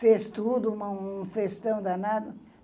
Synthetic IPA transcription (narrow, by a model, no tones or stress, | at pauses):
fest̪ud̪ʊũmɐ̃ũfest̪ɐ̃w̃d̪ɐnad̪ɐ